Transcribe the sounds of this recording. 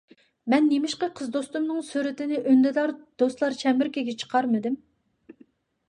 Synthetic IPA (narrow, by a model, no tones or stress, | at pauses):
mɛnːemɪʃqɑqʰəzd̪ost̪umnɨŋsyɾɪt̪ɪnɪʔønd̪ɪd̪ɑɾd̪̥ost̪lˠɑɾt͡ʃʰɛmɪɾkʲeɡʲɛt͡ʃʰə̥qʰɑɾmɨd̪ɪm